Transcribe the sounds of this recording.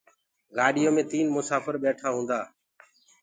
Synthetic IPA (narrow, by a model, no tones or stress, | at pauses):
ɡaːɗɪjoːmẽːt̪iːnmʊsaːfəɾɓeːʈʰaːɦũːn̆d̪aː